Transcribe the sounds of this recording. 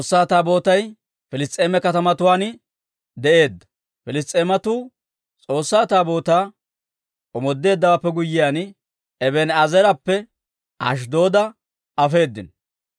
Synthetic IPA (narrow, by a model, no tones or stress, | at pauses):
t͡sʼoːsːaːt̪aːbo̞ːt̪ɐj | fɪlɪst̪ʼeːmɛkɐt̪ɐmɐt̪ʊwaːn | d̪ɛʔe̞ːd̪ːɐ̥ | fɪlɪst̪ʼeːmɐt̪uː | t͡sʼo̞ːsːaːt̪aːbo̞ːt̪aː | ʔɔmɔd̪ːe̞ːd̪ːɐwaːpːɛɡʊjːɪjaːn | ɛbɛnɐzɛɾɐpːɛ | ɐ̰ʃ̬d̪o̞ːd̪ɐ | ɐfe̞ːd̪ːɪn